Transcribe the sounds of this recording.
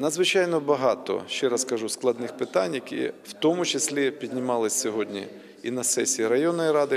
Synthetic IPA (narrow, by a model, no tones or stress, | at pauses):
nɐd̪zʋɪt͡ʃajnɔbɐɦɑt̪ɔ̰ʃt͡ʃɛɾɐskɐʒusklˠɐd̪nɪxpɪt̪anʲːɐkʲḭwt̪ɔmʊt͡ʃesʲlʲipʲidʲnʲɪmɑlˠɪsʲsʲɔɦɔdʲnʲḭ | inɐsɛsʲiːɾɐjɔnːɔjɾɑd̪ɪ